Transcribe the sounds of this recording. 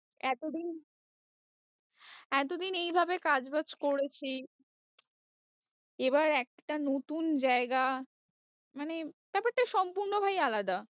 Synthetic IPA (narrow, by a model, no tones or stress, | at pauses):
ɛt̪od̪in | ɛt̪̬od̪inejbʱabekad͡ʑbat͡ɕkoɾet͡ɕʰi | ebaɾɛk̚ʈanot̪und͡ʑaeɡa | maneb̥ɛpaʈːaʃɔmpuɾnobʱajalad̪a